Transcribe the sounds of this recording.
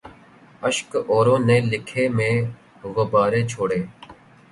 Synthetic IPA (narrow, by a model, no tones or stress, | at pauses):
əʃkoːɾõːneːlɪkʰeːmẽː | ʋəbaːɾeːt͡ʃʰoːɽeː